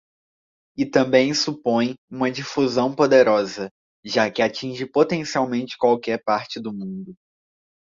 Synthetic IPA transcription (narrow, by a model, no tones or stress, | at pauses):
ɪt̪ɐ̃mbẽj̃supõj̃ũmɐd͡ʒifuzɐ̃w̃pod̪eɾɔzɐ | ʒakɪat͡ʃĩʒɪpot̪ẽsiawmẽnt͡ʃɪ̥kwawkɛɾpaɾt͡ʃɪd̪ʊmũnd̪ʊ